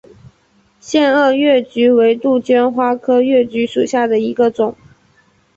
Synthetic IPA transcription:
ɕjɛ˥˧nə˥˧ɥɛ˥˩t͡ɕy˧˥we˧˥ɪt̪u˥˩t͡ɕɥɛ˥nxwa˥kʰɤ˥ɥɛ˥˩t͡ɕy˧˥ʂu˨˩ɕja˥˩d̪ə˩i˧˥ɡə˧t͡sʊ˨˩˦ŋ

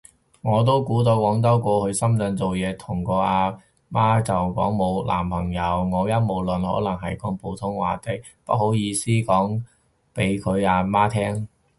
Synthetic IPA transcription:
ŋɔː˨˧t̪̬o˥wkuː˨˥t̪o˧wkɔː˨˥ŋt̪̬ɐ˥wkɔː˧hɵ˨˧ɥsɐ˥mt͡sœ˧nt͡so˨wjɛː˨˧t̪ʰʊ˨˩ŋkɔː˧aː˧ | maː˥t͡sɐ˨wkɔ̰ː˨˥ŋmo˨˧wlʔa̰ː˨˩mpʰɐ˨˩ŋjɐ˨˧wŋɔː˨˧jɐ˥n̚mo˨˩wlɵ˨nhɔ̰ː˨˥lɐ˨˩ŋɦɐ˨˩jkɔː˨˥ŋpʰo˨˥wt̪ʰʊ˥ŋwaː˨t̪e˨˩k | pɐ˥t̚ho˨˥wjiː˧siː˥kɔː˨˥ŋ | pe˨˧˥jkʰɵ˨˧ɥaː˧maː˥t̪ʰɛː˥ŋ

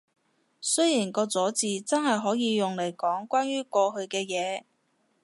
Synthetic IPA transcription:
sɵ˥ɥjiː˨˩nkɔː˧t͡sɔː˨˥t͡siː˨˧t͡sɐ˥nhɐ˨jɦɔː˨˥jiː˨˧jʊ˨ŋle˨˩jkɔː˨˥ŋkʷaː˥nɥyː˥kɔː˧ɦɵ˧ɥkɛː˧jɛː˨˧

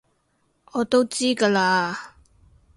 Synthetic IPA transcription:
ʔɔː˨˧t̪o˥wt͡siː˥kaː˧laː˧

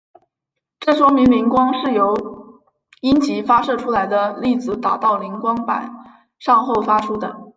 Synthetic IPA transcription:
ʈ͡ʂɤ˥˩ʂwɔ˥ŋmi˧˥nmi˧˥ŋkwɑ˥ŋʂɻ̩˥˩jo˧˥ʊ | i˥nt͡ɕi˧˥fa˥ʂɤ˥˩ʈ͡ʂʰu˥la˧˥ɪd̪ə˧li˥˩t͡sɹ̩˧˩t̪a̰˨˩t̪ɑ˥˩ʊli˧˥ŋkwɑ˥ŋpa̰˨˩˦n | ʂɑ˥˧ŋxo˥˩ʊfa˥ʈ͡ʂʰu˥d̪ə̰˨˩

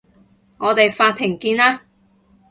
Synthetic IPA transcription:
ŋɔː˨˧t̪e˨jfaː˧t̪ʰːɪ˨˩ŋkiː˧naː˥

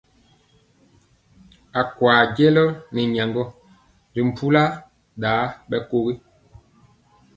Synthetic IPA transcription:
a˨kwaː˨ɟe˦lɔ˦ni˨ɲa˨ŋɡɔ˦ | ɾi˨m̩˨pʰu˦la˦ | ɗaː˨˦ɓɛ˦ko˦ɣi˦

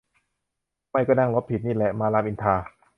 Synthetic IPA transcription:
ma˧˥˩jkɔː˥˩na˥˩ŋlo˦˥p̚ʰi˨˩t̪̚niː˥˩lɛ˨˩ʔmaː˧laː˧mʔi˧nt̪ʰaː˧

